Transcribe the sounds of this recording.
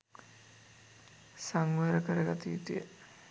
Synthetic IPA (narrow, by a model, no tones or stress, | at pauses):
saŋʋəɾəkəɾəɡat̪iːt̪ijə